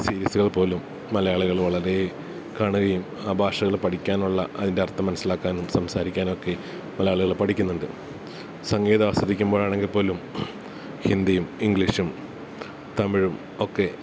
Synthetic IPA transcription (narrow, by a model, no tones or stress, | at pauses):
siːɾiɐsuɣɐɭpo̞ːlumː | ɐlɐjaːɭuɣɐɭʋɐɭɐɾe | kaːɳuɣɐjum | aːbʱaːʂɐɣɐɭpɐʈʰikʲːaːnuɭːɐʔɐðindeɐrt̪ːɐmːɐnɐsːilaːkːaːnumsɐmsaːɾikʲːaːno̞kːe̞ | mɐlɐjaːɭuɣɐɭpɐʈʰikʲːunːuɳɖɨ | sɐŋɡeːðɐasɐd̪ikʲːumboːɻaːɳe̞ŋɡilpo̞ːlum | hind̪ijumiŋɡliʂum | t̪ɐmiɻum | o̞kːe̞